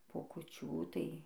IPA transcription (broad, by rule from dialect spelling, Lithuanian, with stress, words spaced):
poː kʊˈt͡ʃʲuː tɐɪ